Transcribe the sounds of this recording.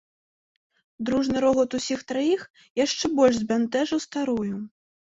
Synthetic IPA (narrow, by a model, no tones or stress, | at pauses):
d̪ɾuʐnɨɾɔɣɔt̪usʲixt̪ɾajix | jaʂt͡ʂɛbɔlʲʐzʲbʲant̪ɛʐɐwst̪aɾuju